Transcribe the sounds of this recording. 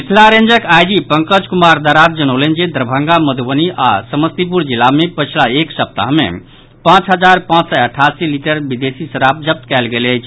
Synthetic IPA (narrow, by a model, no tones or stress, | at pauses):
isʰlaɾend͡ʒəkajɖipəŋkəd͡ʒkumaɾd̪əɾat̪̚d͡ʒənəwlənd͡ʒed̪ɾəbʱəŋɡaməd̪ʱbəniʔa̰səməst̪ip̬uɾd͡ʒilːamepət͡ʃʰlaeksəp̚t̪a̰ɦmḛ | pãt͡ʃɦəd͡ʒaɾpãt͡ʃsəəʈʰasiliʈəɾbid̪esisəɾap̚d͡ʒəp̚t̪kɛlɡeləjt͡ʃʰ